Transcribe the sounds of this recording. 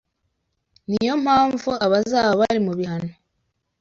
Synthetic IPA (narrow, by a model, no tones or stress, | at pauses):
nijo̞m̥haːɱvuaβazaːβaβaɾimuβihano